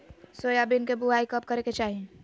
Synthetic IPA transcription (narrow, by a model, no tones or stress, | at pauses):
sojabɪnkebuaːikəp̚kɐɾeket͡ʃaːɦiẽ